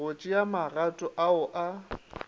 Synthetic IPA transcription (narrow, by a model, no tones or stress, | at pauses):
ot͡ʃʼɪjamaratʼʊʔaʊʔa